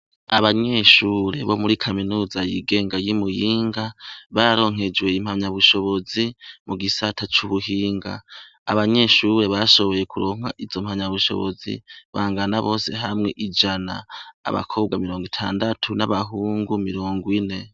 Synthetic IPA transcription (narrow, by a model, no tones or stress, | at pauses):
aβaɲe̞ʃuːɾe̞βo̞muɾikʰaminuːzajiɡe̞ːŋɡajimujiːŋɡaβaɾo̞ːŋ̥ɦe̞d͡ʒwe̞im̥haɲaβuʃo̞βo̞zimuɡisatʰat͡ʃuβuɦiːŋɡa̰ː | βaɲe̞ʃuːɾe̞βaʃo̞βo̞je̞kuɾo̞ːŋ̥aʔizo̞m̥haɲaβuʃo̞̰βo̰zḭβaːŋɡanaβo̞ːse̞ɦamŋe̞ʔid͡ʒana̰ːβa̰kʰo̞ːb̚ɡamiɾo̞ːŋɡitʰa̰ːndatʰunaβaɦuːŋɡumiɾoːŋɡwine̞